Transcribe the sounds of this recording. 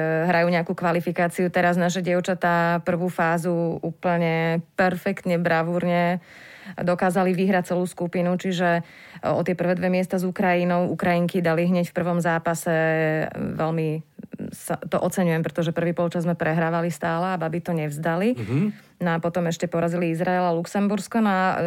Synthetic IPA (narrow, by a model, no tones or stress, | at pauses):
ɦɾajuːɲɛakukʋalifikaːt͡siut̪ɛɾaznaʃ̬ɛɟɪɛʊt͡ʃat̪apr̩ʋuːfaːzuuːpl̩ɲɛpɛɾfɛkt̪ɲɛbɾaʋuɾɲɛ | d̪ɔkaːzaliʋiɦɾac̚t͡sɛluːskupinut͡ʃiʒɛ | ʔɔ̰t̪ɪɛpr̩ʋɛːd̪ʋɛmɪɛst̪azukɾajinɔʊukɾajiŋkid̪aliɦɲɛcfpr̩ʋɔmzaːpasɛ | ʋɛlmi | sat̪ɔʔɔt͡sɛɲujɛmpɾɛt̪ɔʒɛpr̩ʋiːpɔlˠt͡ʃazmɛpɾɛɦɾaːʋalist̪aːlɛababit̪ɔɲɛvzd̪ali | nɔapɔt̪ɔmɛʃcɛpɔɾaziliizɾaɛlaluksɛmbuɾskɔnɔa